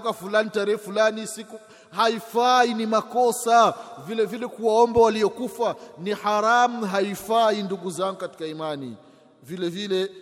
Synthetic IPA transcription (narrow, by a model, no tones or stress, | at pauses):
kafulanitaɾɛhɛfulanisiku | haifainimakɔsavilɛvilɛkuwaɔmbawaliɔkufanihaɾam̩ɦaifainduɡuzaŋɡukati̥kaimanḭ | vilɛvilɛ